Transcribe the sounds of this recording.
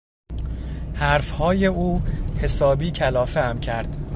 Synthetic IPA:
hæɾfhɒːjeʔuːhe̞sɒːbiːcʰælɒːfeæmcʰæɾd̪̥

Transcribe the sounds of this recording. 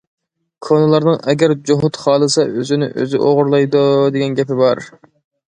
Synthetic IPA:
kʰonɨlˠɑɾnɨŋɛɡʲɛɾd͡ʒoɦut̪χɑːlˠɨsɑøzɪnɪʔø̰zɪʔoʁʊɾlˠɑjd̪ud̪eɡʲɛnɡʲɛpɪbɑɾ

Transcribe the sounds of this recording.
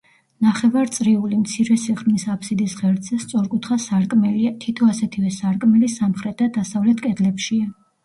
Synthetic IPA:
naχɛvaɾt̪sʼɾiulimt̪sʰiɾɛsiχɾmisapʰsid̪isʁɛɾt̪sʰɛst̪sʼɔɾkʼut̪ʰχasaɾkʼmɛliat̪ʰit̪ʰɔasɛt̪ʰivɛsaɾkʼmɛlisamχɾɛt̪̚ʰad̪asavlɛt̪ʰkʼɛd̪lɛpʃia

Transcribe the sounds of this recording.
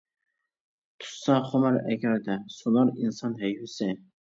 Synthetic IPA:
t̪ʰu̥sɑχomɑɾɛ̰ɡʲæɾd̪ɛsulˠɑɾinsɑnɦɛjhysɪ

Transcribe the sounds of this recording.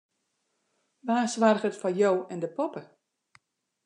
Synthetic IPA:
ʋaːsʋarɣətfajowɛndəpɔpə

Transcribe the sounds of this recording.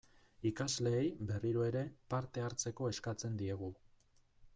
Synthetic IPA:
ikazle̞ːjbe̞riɾoe̞ɾe̞paɾt̪e̞aɾt͡se̞ko̞e̞skat͡se̞nd̪ie̞ɣ̞u

